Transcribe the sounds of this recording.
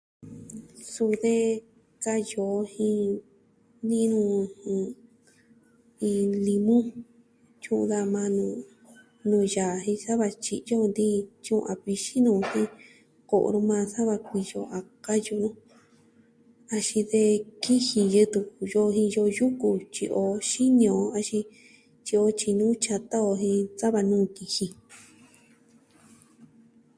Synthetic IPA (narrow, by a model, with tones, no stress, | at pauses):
su˧ðe˦ | ka˦jo˨˧hĩ˧ | nĩ˦˧nũ˧hĩ˧ | ĩ˧li˧mũ˦ | t͡ʃũ˦ṵ̃˧ða˧mã˧nũ˧ | nũː˧˨ja˨ɦĩ˧sa˦βa˧t͡ʃḭ˧ʔjo˦˧nd̪i˦t͡ʃũ˦ʔʔa˨βi˧ʃi˦nũː˧hĩ˦ | ko̰˨ʔɾũ˧mãː˧sa˦βa˧k̚ʷi˧jo̰˧ʔa˨˧ka˦ju˧nũ˦ | a˧ʃĩ˧ðe˧ki˦hĩ˧jɨ˧t̪u˧ku˨jo˧ɦĩ˧jo˧ju˦ku˧t͡ʃi˧ʔo˧ʃi˦ɲ˧õ˨˦a˧ʃĩ˧ | t͡ʃi˧o˧t͡ʃi˧nũː˦t͡ʃa˧t̪a˦o˧ɦĩ˧sa˦βa˧nũː˦˨ki˧hĩ˧